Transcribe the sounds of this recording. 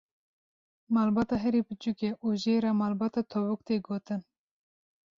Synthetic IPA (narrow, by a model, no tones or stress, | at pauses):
mɑːlbɑːt̪ɑːɦɛɾebɨt͡ʃukʲeʔuʒeːɾɑːmɑːlbɑːt̪ɑːt̪ʰɔbʊk̚t̪eːɡoːt̪ɨn